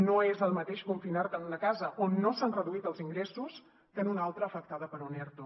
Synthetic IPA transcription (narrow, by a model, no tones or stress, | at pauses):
noezəlˠmət̪eʃkuɱfinart̪ənləkazəʔonːosanrəðuit̪əlˠziŋɡɾesus | k̪enunalˠt̪ɾəːfək̚t̪aðəpəɾunɛɾt̪u